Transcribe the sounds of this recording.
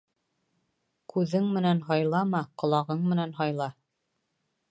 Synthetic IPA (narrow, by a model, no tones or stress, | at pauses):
kʉðɘŋmɘ̆nænɦɑjlˠɑmɑqŏlˠɑʁɤɴmɘ̆nænɦɑjlˠɑ